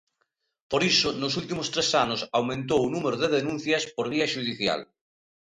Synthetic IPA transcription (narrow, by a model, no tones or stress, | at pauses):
poɾisʊnosult̪imost̪ɾesanʊsawmẽnt̪̬owunumeɾoðeðenũn̟θjɐspoɾβiɐʃuðiθja̰l